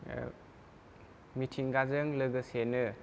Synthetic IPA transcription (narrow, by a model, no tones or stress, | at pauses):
mitʰiŋɡazɯŋlɯɡɯsenɯ